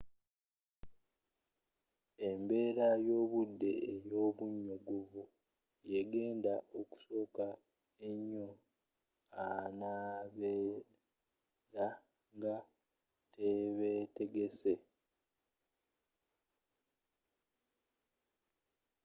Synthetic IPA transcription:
e̞mbe̞ːɾajo̞ːβudːe̞ejo̞ːβuɲːoɡoβu | jeɡe̞ːndaʔoku̥so̞ːka | eɲːo̞ | anaːβeː | ɾa | ŋɡa | tʰeβe̞te̞ɡe̞se̞

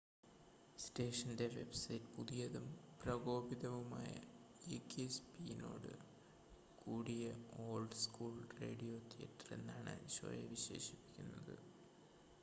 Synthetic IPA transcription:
ste̞ːʂɐnde̞ʋe̞̰bsɐjtːɨ̥puðijɐðumprɐɡo̞ːbiðɐʋumaːjɐ̰ | eːkːespino̰ːɽɨ̰ | kuːɽijɐo̞ːlɖskuːlre̞̰ːɽijo̞ːt̪ijɐ̰tːre̞̰nːaːɳɨ̰ɕo̰jɐʋiɕe̞̰ːʂipːi̥kʲːunːɐðɨ̰

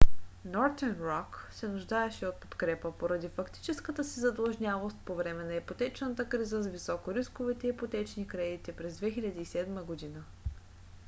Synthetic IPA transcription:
nɔɾt̪ɛnɾɔksɛnuʒd̪aɛʃɛot̪̚po̥t̪kɾɛpəpoɾɐd̪ifɐkt̪i̥t͡ʃɛskət̪əsizɐd̪əlˠʒnʲavost̪̚povɾɛmɛnɐɛpot̪ɛt͡ʃnət̪əkɾizəzvisɔkoɾiskovit̪ɛiipot̪ɛt͡ʃnikɾɛd̪it̪ipɾɛzd̪vɛxiʎʲɐd̪iːsɛd̪məɡod̪inə

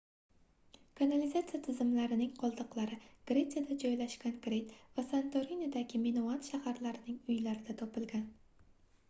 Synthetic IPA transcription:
kʰanalizat̪sijat̪ʰɪzɪmlaɾɪnɪŋqʰɒlˠd̪ɨqlˠaɾɪɡ̥ɾe̞t̪sijad̪ad͡ʒɒjlaʃɡʲankɾe̞jt̪vasant̪ʰoɾinad̪aɡʲɪmenoanʃahaɾlaɾɪnɪŋʊjlaɾɪd̪at̪ʰɒpɪlˠɡʲan

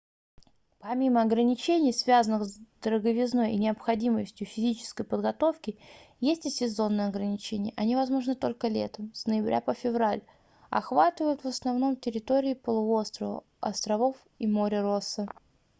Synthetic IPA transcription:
pɐmʲiməɐɡɾənʲɪt͡ɕenʲɪjsvʲazənɨxzd̪̥əɾəɡəvʲɪzno̞jʔɪ̰nʲɪɐpxɐdʲiməsʲtʲjʊfʲɪzʲit͡ɕɪ̥skəjpəd̪ɡɐt̪o̞fkʲɪjesʲtʲɪsʲɪzo̞nːɨjɐɡɾənʲɪt͡ɕenʲɪjəʔɐnʲivɐzmo̞ʐnɨt̪o̞lʲkəlʲḛt̪əmsnəjɪbɾʲʔa̰pəfʲɪvɾalʲ | ɐ̰xvat̪ɨvəjʊt̪vəsnɐvn̪o̞mtʲɪɾʲɪt̪o̞ɾʲɪːpəlˠʊo̞st̪ɾəvə̰ | ɐ̰st̪ɾɐvo̞f | imo̞ɾʲɪɾosːə

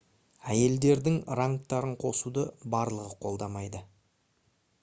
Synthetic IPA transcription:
æje̞ld̪e̞ɾd̪ɪŋɾaŋ̚t̪ɑɾəɴqʰo̞sud̪əbɑɾlˠəʁəqʰo̞lˠd̪ɑmɑjd̪ə

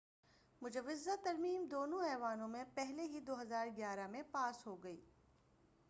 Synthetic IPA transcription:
mʊd͡ʒɐʋːɪzat̪ɐɾmiːmd̪oːnõɛːʋaːnõmẽpɛɦleɦid̪oːɦɐzaːɾɡjaːɾamẽpaːsɦoɡɐiː

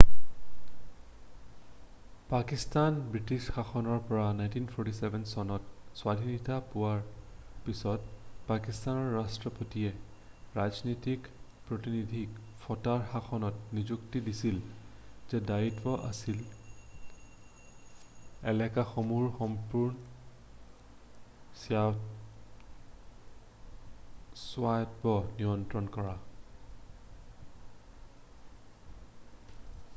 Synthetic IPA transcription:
pakistanbɹitisxaxɔnɔɹpɔɹanajntinpʰɔɹtisɛbʱɛnsɔnɔt̚swadʱinitapʊwaɹpisɔtpakistanɔɹːastɹɔpotiɛ | ɹaznɔtik | pɹotinidʱik | fʰɔtaɹxaxɔnɔt̚nizuktidisilz̥ɛdaitpɔʔa̰sil | ɛlɛkaxomuɹxɔmpuɹn | sja | swatbɔniɔntɹɔnkɔɹa

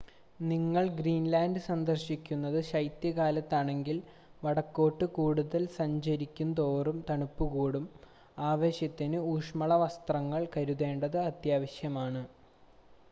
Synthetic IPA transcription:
niŋːɐɭɡɾiːnlaːndɨsɐnd̪ɐrɕikʲːunːɐðɨɕɐjt̪jɐɣaːlɐt̪ːaːɳe̞ŋɡil | ʋɐɽɐkːoːʈːɨkuːɽuðɐlsɐɲd͡ʑɐɾikʲːunːd̪o̞ːrumt̪ɐɳupːuɣuːɽum | aːʋe̞ːɕjɐt̪ːinɨuːʂmɐɭɐʋɐst̪rɐŋːɐɭkɐɾuðe̞ːɳɖɐðɨɐt̪jaːʋɐɕjɐmaːɳɨ

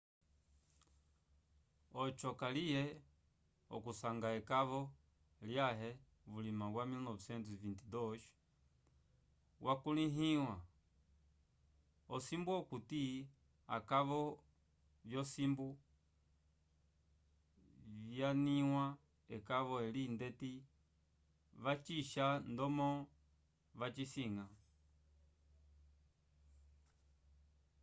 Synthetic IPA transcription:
ɔt͡ʃɔkalijɛ | ɔ̰kusaŋɡaɛkaβɔ | ljaɦɛ | βulimaβwamilnɔvsɛntfintidɔʃ | wʔakuliɦiwa | ɔsimbuɔkuti | a̰kaʋɔ | vjɔsimbu | vjaniwa | ɛkaʋɔɛlindɛti | ʋat͡ʃiʃandɔmɔ | ʋat͡ʃisiŋa

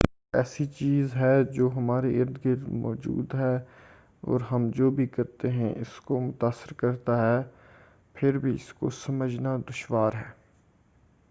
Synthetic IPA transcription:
ɛːsit͡ʃiːzɦɛd͡ʒoːɦɐmaːɾeʔɪɾd̪ɡɪɾmɔ̰ːd͡ʒṵːd̪ɦɛː | ɔ̰ːɾɦɐmd͡ʒoːbʱikɐɾt̪eɦɛ̰̃ʔɪskomʊt̪aːsːəɾkɐɾt̪aɦɛ | pʰɪɾbʱiɪ̰sko̰sɐməd͡ʒnad̪ʊʃʋaːɾɦɛː

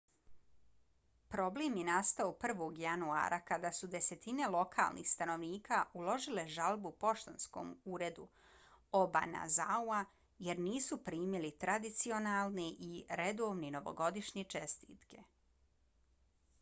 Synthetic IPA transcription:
pɾo̞bleːmjenast̪aopr̩ʋo̞ːɡjanua̰ːɾʔakad̪asud̪e̞se̞t̪ine̞lˠo̞kʰa̰ːlˠnʔḭxst̪ano̞ʋniːkʰaʔulo̞ʒile̞ʒalbupo̞ʃt̪onsko̰muːɾe̞d̪u | oba̰na̰zaua | je̞ɾniːsupɾiːmilit̪ɾad̪it̪sio̞nalˠneʔiɾed̪o̞ːʋnino̞ʋo̞̰ɡo̞d̪iʃɲet͡ʃest̪iːt̪ke̞

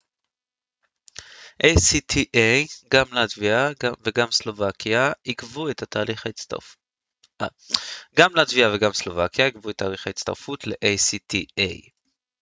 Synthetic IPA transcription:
ʔejsit̪ʰiʔejɡamleat̪viaveɡamslovakiaikvuet̪ʰat̪aːliχa | ɡamlaat̪viaveɡamslo̞vakjaikvuetːaːliχait̪t͡st̪a̰ʁfutʰle̞ʔejsitiej

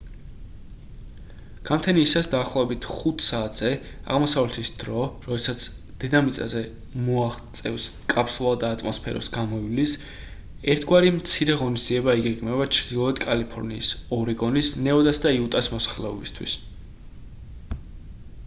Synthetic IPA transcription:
ɡ̥amt̪ʰɛniːsasd̪aːχlˠɔvɛbit̪ʰχut̪ʰsaːt̪ʰz̥ɛ | a̰ʁmɔsavlɛt̪ʰisd̪̥ɾɔɾɔd̪ɛsat̪sʰ | d̪̥ɛd̪amit̪sʼa̰zɛ | mɔaχt̪sʼɛvskʼapʰsulˠad̪aːt̪ʼmɔspʰɛ̰ɾɔ̰sɡamɔilis | ɛɾt̪ʰɡwaɾimt̪sʰiɾɛʁɔnisd̪ziɛbaiɡɛɡmɛbat͡ʃʰɾd̪̥ilˠɔɛd̪kʼalipʰɔɾniːsɔɾiɡɔnisnɛɔd̪asd̪aiut̪ʼasmɔsḁχlɛɔ̰bist̪ʰwḭs

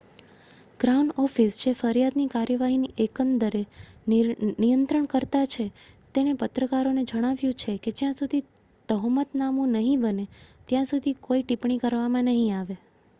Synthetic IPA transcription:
ɡ̥ɾauɳɖɔfisd͡ʒʰefəɾijad̪nikaɾjəʋaɦiniʔekənd̪əɾe | nijənt̪ɾəɳkəɾt̪at͡ʃʰe | t̪eɽ̃epət̪ɾəkaɾoned͡ʒəɽ̃aʋjũt͡ʃʰeked͡ʒjãsud̪ʱi | t̪əɦmət̪namũnəɦĩbənet̪jãsud̪ʱikoiʈipɳikəɾʋamãnəɦĩaʋe

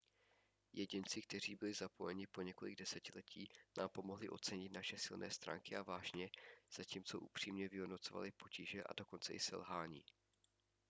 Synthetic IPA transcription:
jɛɟɪnt͡sɪk̚t̪ɛr̝iːbɪlɪzapo̞jɛɲɪpo̞ɲɛko̞lɪ̰ɡdɛsɛcɪlɛcʰiːnaːmpo̞mo̞ɦlɪʔo̞t͡sɛɲɪt̪naʃɛsɪlnɛ̰ːst̪ɾa̰ːŋkɪʔavaːʒɲɛz̥aciːmt͡so̞ʔupr̥iːmɲɛvɪɦodno̞t͡so̞va̰lɪpo̞ciʒɛʔa̰do̞ko̞nt͡sɛʔɪsɛ̰lɦaːɲḭː

